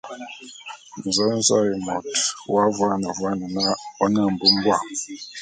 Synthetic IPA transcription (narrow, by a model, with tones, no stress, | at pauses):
n̩˨zə˦n̩˦za˦ji˨mɔ˨twa˦vwa˦nə˨vwa˦nə˨na˦ɔ˦nə˦˨m̩˨bu˦m˦bwa˦˨